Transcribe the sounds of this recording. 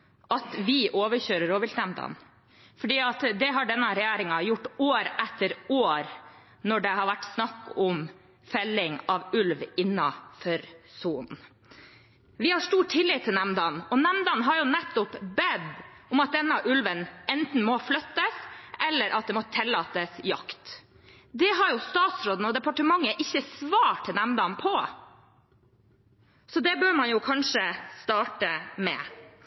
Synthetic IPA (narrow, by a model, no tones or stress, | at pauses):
ʔɑt̪ʋɪʔoːʋəɾçøːɾəɾoːʋɪlnæmd̪ɑ̰n | fɔɖiːɑt̪d̪ɛɦɑɖɛnːəɾɛjæːɾɪŋɑjʊʈːoːɾʔɛt̪ːəɾoːɾ | nɔɖɛɦɑɾʋæʈːsnɑkːʊm | fɛlːɪŋɑʋʉlʋɪnːɑfɔɾsuːn̩ | ʋɪhɑʂʈuːʈʰːɪlːɪt̪ʰːɪlnæmd̪ɑnɔnɛmd̪ɑnɦɑɾjʊnɛt̪ːʊpbɛd̪ʊmɑt̪̚d̪ɛnːɑʔʉlʋənɛnt̪n̩mɔflœt̪ːəsɛlːəɾʔɑt̪̚d̪ɛmɔt̪ʰɛlːɑːt̪əsjɑ̰kt̪ | d̪ɛɦɑɾjʊst̪ɑːt̪sɾoːd̪n̩ɔd̪ɛpɑʈəmɑŋːəʔɪçːəsʋɑːʈʰːɪnɛmd̪ɑnpʰɔ | sɔd̪ɛbøːɾmɑnjʊkʰɑnʂəst̪ɑːʈəmɛ̰